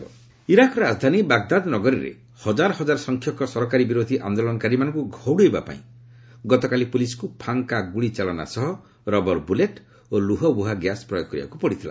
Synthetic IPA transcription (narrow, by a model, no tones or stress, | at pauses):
iɾakɔɾɔɾazd̪ʱanibaɡd̪ad̪nɔɡɔɾḭɾḛ | hɔd͡ʒaɾɔɦɔd͡ʒaɾɔsɔŋkʰjɔkɔsɔɾɔkaɾibiɾod̪ʱiʔa̰nd̪olɔnɔkaɾimanɔ̃ŋkuɡʱɔwɽueba̰pa̰ḭ̃ | ɡɔt̪ɔkalipulisɔ̥kupʰaŋkaɡuɭit͡ʃalɔna̰sɔɦɔ | ɾɔbɔɾbuleʈ | oluɦɔbuɦaɡjaspɾɔjɔɡkɔɾiba̰kupɔɽit̪ʰila̰